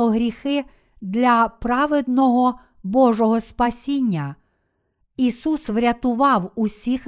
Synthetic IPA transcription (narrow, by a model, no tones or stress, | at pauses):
ɔɦɾʲixɪ | d̪lʲɐpɾɑʋed̪nɔɦɔ | bɔʒɔɦɔspɐsʲinʲːɐ | isusʋɾʲɐt̪ʊʋɑwusʲix